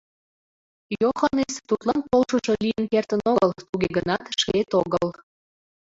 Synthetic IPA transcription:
joxɑnest̪ut̪lɑnpolʃəʃolijənkert̪ə̆noɣəlt̪uɣeɣənɑt̪ʃket̪oɣəl

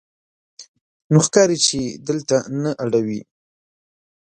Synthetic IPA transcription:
noxkɑɾit͡ʃed̪əlt̪anaʔaɽawi

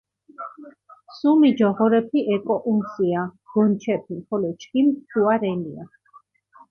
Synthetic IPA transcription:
sumid͡ʒɔʁɔɾɛpʰiʔɛkʼɔʔumsiaɡ̥ɔnt͡ʃʰɛpʰimχɔlɔt͡ʃʰkimt̪ʰuaɾɛnia̰

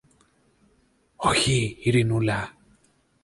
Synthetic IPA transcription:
ɔhiiɾinula

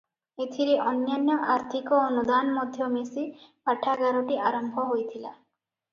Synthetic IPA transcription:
et̪ʰiɾeʔɔnjanjɔʔaɾt̪ʰikɔːnud̪anɔmɔd̪ʱjɔmesipaʈʰaɡaɾoʈiaɾɔmbʱɔɦojt̪ʰila

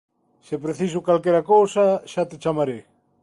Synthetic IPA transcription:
sepɾeθisʊkalkeɾakowsaʃat̪et͡ʃamaɾe

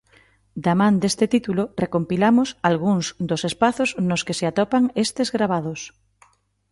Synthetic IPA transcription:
d̪amãnd̪est̪et̪it̪ulorekompilamʊsalɣuŋzd̪osespaθoznoskeseat̪ɔpaŋest̪ezɣɾaβ̞að̞os

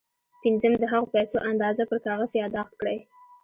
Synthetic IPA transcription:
pɪnzəmd̪əɦaɣopajsoʔand̪ɑzapəɾkɑɣəsjɑd̪ɑxt̪̚kɽəj

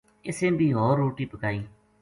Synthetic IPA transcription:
ɪsẽːbʱiːɦoːɾːoːʈiːpəkaːiː

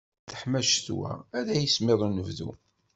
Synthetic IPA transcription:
θə̥ħmæʃθwæ̰æðæjəsmeðˤunəvðṵ

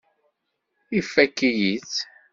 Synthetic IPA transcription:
ifːækːijit͡s

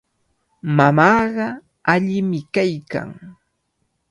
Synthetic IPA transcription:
mamɑːɢɑ | aʎɪmɪkajka̰ŋ

